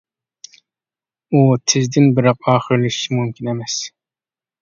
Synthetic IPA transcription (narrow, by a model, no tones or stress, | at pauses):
ut̪ʰɪzd̪ɪnbɪɾɑq̚ɑːχɨɾlɪʃimumkʲʰinemɛs